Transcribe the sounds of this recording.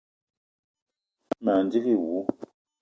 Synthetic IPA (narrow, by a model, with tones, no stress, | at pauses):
ma˨n˨di˦ɣi˦˨wu˨˦